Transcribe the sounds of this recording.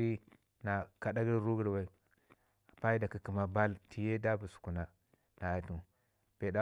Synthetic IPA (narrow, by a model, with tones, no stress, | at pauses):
i˦ | na˨ka˨da˦ɡi˦ɾɾu˦ɡi˦ɾwe˨ | pa˦i˦da˨ki˨ki˨ma˨ba˦lti˨je˦da˦bu˨su̥˨ku˨na˨ | na˨a˨tu˨ | be˨da˦